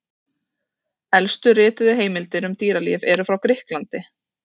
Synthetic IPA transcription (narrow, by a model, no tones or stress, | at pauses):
ɛlst̪ʏrɪːt̪ʏðɪɦeːjmɪlt̪ɪɾʏmt̪iːɾalḭːvɛɾʏfɾawkɾɪhklant̪ɪ